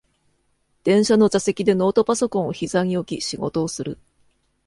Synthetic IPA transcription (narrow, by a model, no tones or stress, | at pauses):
d̪̥ẽ̞ɰ̃ɕano̞d͡ʑase̞kʲid̪e̞no̞ːt̪o̞paso̞kõ̞ɰ̃oçizaŋ̟io̞kʲiɕiɡo̞̰t̪o̞ːsɨɾɯ̟̰